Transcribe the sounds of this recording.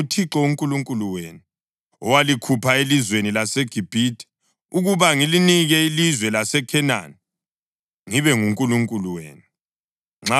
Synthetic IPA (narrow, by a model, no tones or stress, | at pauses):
tʰiǁɔuŋkʼuluŋkʼuluwḛːnu | ɔwalikʰupʰaelizwenilaseɡ̥ʱib̥ʱitʰʼi̥ | uɣuβaŋiliniɣɛilizwɛlasɛkʰɛna̰ni | ŋiβɛŋuŋkʼuluŋkʼuluwḛːnu | ŋ͡ǁa